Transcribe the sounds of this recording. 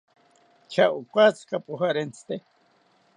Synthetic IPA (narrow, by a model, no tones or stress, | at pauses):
t͡ʃʰaʔukʷat͡skapʼuxaɾent͡sʰt̪e